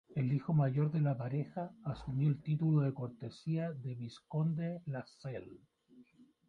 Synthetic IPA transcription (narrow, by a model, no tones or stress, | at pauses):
elixomaʝo̞ɾðelapaɾexaːsumjoelt̪it̪uloðeko̞ɾt̪esiaðeβiskond̪elasel